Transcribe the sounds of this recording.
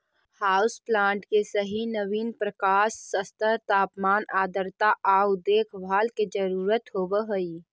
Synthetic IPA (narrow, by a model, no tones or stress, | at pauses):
haːʊsplãːɳʈkesəɦinəʋiːnpɾəkaːʃsəst̪ət̪aːpmaːnaːd̪əɾt̪aʔaːʊd̪eːkʰbʱaːlked͡ʒəɾuːɾət̪ɦoːbəɦoiː